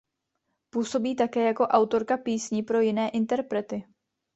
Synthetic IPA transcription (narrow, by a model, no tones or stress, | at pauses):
puːso̞biːt̪akɛːjako̞ʔawt̪o̞ɾkapiːsɲipɾo̞jɪnɛːʔɪnt̪ɛɾpɾɛt̪ɪ